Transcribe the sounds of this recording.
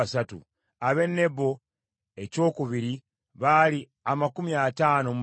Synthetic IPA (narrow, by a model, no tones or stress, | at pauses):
satṵ | aβe̞nːe̞bo̞ | e̞co̞ːkuβiɾi | βali | amakumiataːnom